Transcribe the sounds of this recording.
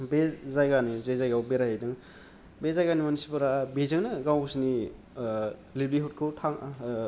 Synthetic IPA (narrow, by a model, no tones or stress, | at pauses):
bezajɡanizejzajɡawbeɾajajdɯŋ | bezajɡanimanisipɯɾabezɯŋnɯɡawɡsini | libliɦut̚kʰɯwtʰaŋ